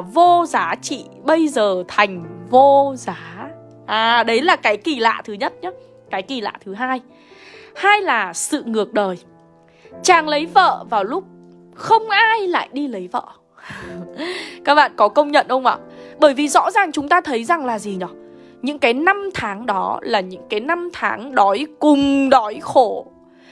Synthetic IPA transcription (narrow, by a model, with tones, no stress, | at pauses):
vo˧zaː˨˦t͡ɕḭ˧˨ɓə˧jzəː˨˩t̪ʰa˨˩jŋ̟vo˧zaː˨˦ | ʔaː˨˩ɗə˨˦jlaː˨˩kaː˨˦jki˨˩la̰ː˧˨t̪ʰɨ˨˦ɲə˦˥t̚ɲa˨˦ | kaː˨˦jki˨˩la̰ː˧˨t̪ʰɨ˨˦ɦaː˧j | haː˧jlaː˨˩sɨ̰˧˨ŋɨ˨˩ək̚ɗəː˨˩j | t͡ɕaː˨˩ŋlə˨˦jvə̰ː˧˨vaː˨˩wlʊ˦˥k͡p̚ | xə˧wŋ͡mʔaː˧jla̰ː˧˨jɗi˧lə˨˦jvə̰ː˧˨ | kaː˦˥k̚ɓa̰ː˧˨nkɔ˨˦kə˧wŋ͡mɲə̰˧˨nhə˧wŋ͡mʔa̰ː˧˨ɓəː˧˩jvi˨˩zɔ̰˧˥zaː˨˩ŋt͡ɕʊ˨˦ŋ͡mt̪aː˧t̪ʰə˨˦jza˨˩ŋlaː˨˩zi˨˩nɔ˨˦ | ɲɨ̰˧˥ŋkaː˨˦jna˧mt̪ʰaː˨˦ŋɗɔ˨˦laː˨˩ɲɨ̰˧˥ŋkaː˨˦jna˧mt̪ʰaː˨˦ŋɗɔ˨˦jkʊ˨˩ŋ͡mɗɔ˨˦jxo˧˩